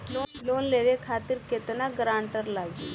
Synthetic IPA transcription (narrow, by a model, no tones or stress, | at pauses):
loloːnleʋekʰat̪iɾket̪ənaɡɾaːɳʈəɾlaɡi